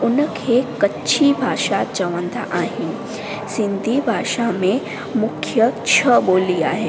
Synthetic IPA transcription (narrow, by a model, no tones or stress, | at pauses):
ʊnəkʰekɐtːt͡ʃʰibʱaːʃat͡ʃɐʋə̃nd̪a̰ʔaːɦɪnɪ̆ | sɪ̃nd̪ʱibʱaːʃamẽ | mʊkʰjət͡ʃʰɐboːliaːɦeː